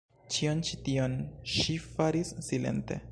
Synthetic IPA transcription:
t͡ʃio̞nt͡ʃitio̞nʃifaɾisːile̞̰nte̞̰

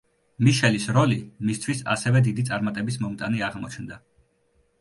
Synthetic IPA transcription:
miʃɛlisɾɔlimist̪ʰwisa̰sɛvɛd̪id̪it̪sʼaɾmat̪ʼɛbismɔmt̪ʼaniaʁmɔt͡ʃʰnd̪a

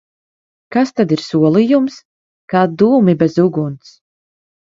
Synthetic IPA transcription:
kast̪ad̪iɾsuɔlˠijums | kaːd̪uːmibɛzuɡunt̪s

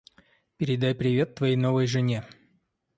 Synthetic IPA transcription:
pʲɪɾʲɪd̪ajpɾʲɪvʲe̞t̪ːvɐjejno̞vəjʐɨnʲe

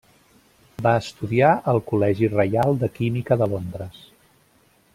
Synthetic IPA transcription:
baəst̪uðiaʔəlˠkulɛʒirəjalˠd̪əkimikəðəlond̪ɾəs

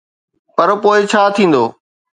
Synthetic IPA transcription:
pɐɾpoːɪt͡ɕʰaːt̪ʰĩːn̆d̪oː

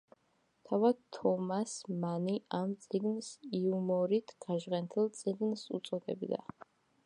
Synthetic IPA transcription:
t̪ʰavad̪t̪ʰːɔmasmaniʔamt̪sʼiɡnsiumɔɾit̪ʰɡ̥aʒʁɛnt̪ʰɛlˠt̪sʼiɡnsṵt̪sʼɔd̪ɛ̰bd̪a̰

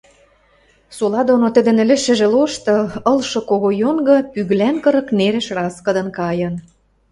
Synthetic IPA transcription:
solɑd̪onot̪ə̆d̪ɘ̆nɘ̆lɘ̆ʃɘ̆ʒĕloʃt̪ɤ̆ɤ̆lʃɤ̆koɣojoŋɡɤ̆pyɣlænkɤ̆ɾɤ̆kneɾĕʃrɑskə̆d̪ɤ̆nkɑjɤ̆n

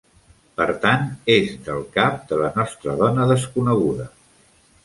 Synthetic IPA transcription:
pəɾt̪anezd̪əlˠkap̚d̪ələnɔst̪ɾəðɔnəðəskunəɣ̞uðə

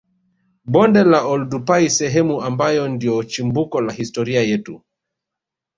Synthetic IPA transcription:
ɓɔndɛlaɔldupaisɛɦɛmuambajɔndiɔt͡ʃimbukɔlahistɔɾiajɛtu

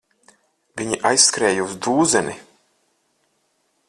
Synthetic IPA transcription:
viɲiʔajsːkɾɛːjuuzd̪uːzɛni

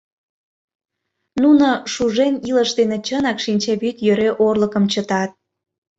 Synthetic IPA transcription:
nunoʃuʒeniləʃd̪enet͡ɕənɑkʃinʲt͡ɕɑβyt̪jøɾeʔorləkəmt͡ɕət̪ɑt̪̚

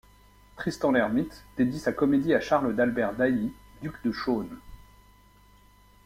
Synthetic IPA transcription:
t̪χist̪ɑ̃lɛʁmit̪d̪̥ed̪jisakɔmed̪iaʃaʁləd̪albɛʁd̪ajid̪ykd̪əʃon

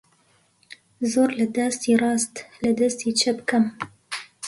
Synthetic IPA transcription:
zoːɾlɨd̪ast̪iːrˤɑːst̪lɨd̪ɐst̪iːt͡ʃʰɐbkɐm

